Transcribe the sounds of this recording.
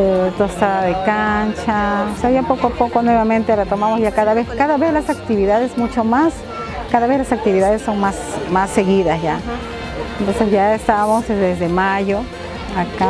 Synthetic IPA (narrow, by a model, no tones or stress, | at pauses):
t̪ost̪aðaðekant͡ʃaseajapokoapokonweβamẽnt̪elat̪omamosʝakaðaβeskaðaβeslasak̚t̪iβiðaðesmut͡ʃomas | kaðaβezlasak̚t̪iβiðaðesːoŋmasmasːeɣiðasʝa | ent̪onsesʝaest̪amozeðezðemaʝo | aka